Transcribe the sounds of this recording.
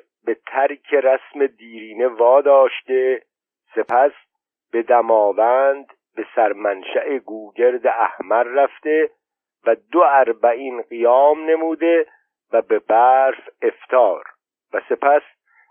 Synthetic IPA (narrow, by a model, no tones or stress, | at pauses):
be̞t̪ʰæɾcʰeɾæsme̞d̪iːɾiːne̞vɒːd̪ɒːʃt̪e̞ | se̞pʰæs | b̥e̞d̪æmɒːvænd̪ | be̞sæɾmænʃæʔeɡuːɟe̞ɾd̪eæhmæɾːæft̪e̞ | væd̪oæɾbæiːnɢijɒːmne̞muːd̪e̞ | væbe̞bæːɾfe̞ft̪ʰɒːɾ | væse̞pʰæs